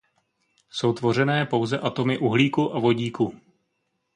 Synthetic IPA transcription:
so̞wt̪vo̞r̝ɛnɛːpo̞wzɛʔat̪o̞mɪʔuɦliːkuʔavo̞ɟiːku

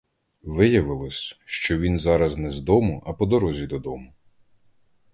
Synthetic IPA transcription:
ʋɪjɐʋɪlˠɔsʲʃt͡ʃɔʋʲinzɑɾɐznɛzd̪ɔmʊʔɐpɔd̪ɔɾɔzʲid̪ɔd̪ɔmʊ

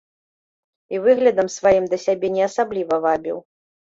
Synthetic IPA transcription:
ivɨɣlʲɐd̪ɐmsvajimd̪ɐsʲabʲɛnʲɛɐsablʲivɐvabʲḭw

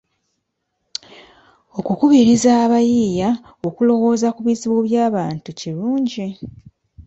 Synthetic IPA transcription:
o̞kukuβiɾizaβajija | o̞kulo̞wo̞ːzakuβiziβoβjaːβaːntuciɾuːɲɟi

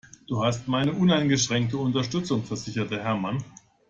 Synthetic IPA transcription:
d̥uːhastmaɪnəʔʊnaɪnɡəʃʁ̥ɛŋk̚təʊntɐʃtʏt͡sʊŋfɛɐz̥ɪçɐtəɦɛɐman

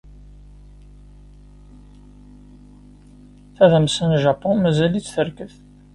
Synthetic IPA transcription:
θæðæmsənʒɑpːɔ̃nmæzælit͡sːθəɾkəθ

